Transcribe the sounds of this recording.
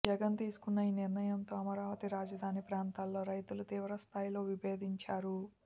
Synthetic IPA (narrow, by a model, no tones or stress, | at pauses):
d͡ʒɐɡɐnt̪iːsu̥kunːɐiːniɾnɐjɐnt̪o̞ːɐmɐɾaːʋɐt̪iɾaːd͡ʒɐd̪ʱaːnipɾaːnt̪aːlːo̞ːɾɐjt̪ulut̪iːʋɾɐst̪ʰaːjilo̞ːʋibeːd̪iɲt͡ʃaːɾu